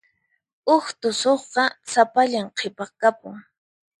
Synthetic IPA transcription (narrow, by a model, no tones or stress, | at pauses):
ʊxt̪ʊsoχqɑsapaʎamqʰepɑχkapʊ̰ŋ